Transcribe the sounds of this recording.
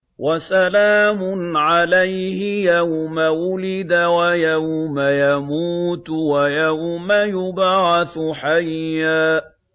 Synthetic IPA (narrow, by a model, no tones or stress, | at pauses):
wʔasalaːmʊnʕalajhɪjawmawʊlɪd̪awajawmajamuːt̪wajawmajʊbʕɑθħajːaː